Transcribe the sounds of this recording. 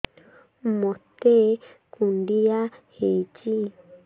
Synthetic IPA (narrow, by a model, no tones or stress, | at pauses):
mot̪e | kundijahet͡ʃi